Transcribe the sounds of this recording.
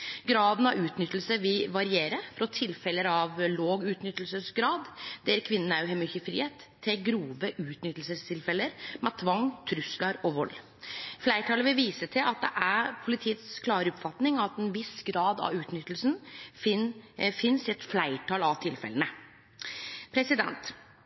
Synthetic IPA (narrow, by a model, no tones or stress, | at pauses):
ɡɾɑːd̪nɑʋʉːt̪nʏt̪lsəɾʋɪʋɑɾɪeːɾəfɾɔt̪ʰɪlfɛləɾɑʋloːɡʉːt̪nʏt̪ːlsəsɡɾɑːd̪d̪ɛɾkʰʋɪnːən̩æɾjʉɦɛmʏçəfɾḭːheːt̪ʰːɪɡɾuːʋəʔʉːt̪nʏt̪ːlsəst̪ʰɪlfɛlːəɾmɑt̪ʰʋɑŋt̪ʰɾʉslɑɾɔʋɔlː | flæɪʈʰɑːləʋɪʋiːsət̪ʰɪlʔɑt̪̚d̪ɛ̰ʔæpʰʊlɪt̪ʰiːət̪skʰlɑːɾəʊpfɑt̪nɪŋɑt̪ɛnʋɪsɡɾɑːd̪ɑ̰ʉːt̪nʏt̪ːlsnfɪnfɪnsɪɛt̪flæɪʈʰɑːlɑʋt̪ʰɪlfɛ̰lənə | pʰɾɛsɪd̪ɛ̰nt̪